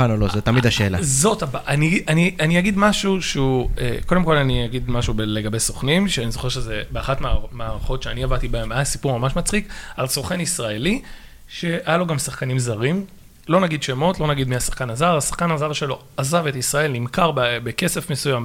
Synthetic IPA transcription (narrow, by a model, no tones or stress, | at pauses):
anolozet̪amid̪aʃeːlazo̞tabaʔaniʔanianiaɡidmaʃuʃeuḛko̞demko̞laniaɡid̪maʃubele̞ɡabesoχnimʃeanizo̞χeʃezebeaχatmeamaːʁaχo̞tʃeaniavat̪ibaemasipuʁmamaʃmat͡sχikalsoχenisʁaeli | ʃe̞ajalo̞ɡamsaχkanimzaʁim | lo̞naɡid̪ʃemo̞tlo̞naɡidmiasḁχkanazaʁasḁχkanazavʃe̞lo̞ | azave̞tisʁae̞lnimkaʁbbeke̞se̞fmesujam